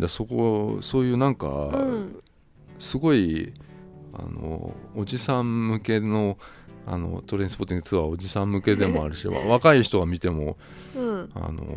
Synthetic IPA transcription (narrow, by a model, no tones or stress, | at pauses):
d̪aso̞ko̞̰so̞ːjɯ̟ːnãŋka̰ | sɨɡo̞i | a̰no̞̰ːd͡ʑisãmmɯ̟ke̞no̞ | a̰no̞̰t̪o̞ɾẽsɨ̥pot̪ĩŋɡt͡sɨβao̞ʑisãmmːɯ̟ke̞d̪e̞mo̞aɾɯ̟ɕiβa̰βakaiçi̥t̪o̞ɡamʲit̪e̞mo̞ | a̰no̞̰